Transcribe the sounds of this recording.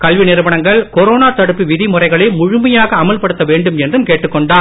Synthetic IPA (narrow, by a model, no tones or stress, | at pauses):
kɐlʋinɪɾɯʋɐɳɐŋɡɐɭkɔɾoːnaːt̪ɐɽɯpːiʋɪðimʊrɐɪɣɐɭɐmʊɻʊmɐjaːɣɐːmɐɭpɐɽɯt̪ːɐʋeːɳɖɯmɛndrɯmkeːʈːɯkːɔɳɖaː